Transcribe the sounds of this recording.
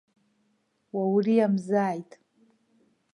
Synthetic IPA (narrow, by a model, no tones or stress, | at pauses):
wawriamzaːjtʼ